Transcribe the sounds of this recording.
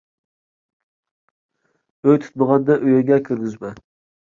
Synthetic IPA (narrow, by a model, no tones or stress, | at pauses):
øjt̪ʰy̥t̪̚bəʁɑnd̪ɛʔøjɛɡʲɛkʲʰyɾɡʲizmɛ